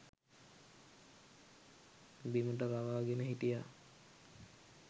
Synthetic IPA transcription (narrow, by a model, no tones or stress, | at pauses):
bimuʈ̬əbaʋaːɡenəɦitija